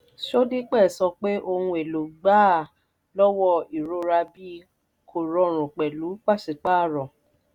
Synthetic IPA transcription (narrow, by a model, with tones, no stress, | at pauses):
ʃo˦di˦k͡pɛ˦˨sɔ˧k͡pe˦ʔo˧hũ˧e˨lo˨ɡ͡baː˦˨ | lɔ˦wɔ˦i˨ɾo˧˦ɾa˧bi˦ | kʰo˨ɾɔ̃˧˦ɾ̃ũ˨k͡pɛ˨lu˨˦k͡pa˦˨ʃi˨k͡pa˦˨ɾɔ̃˨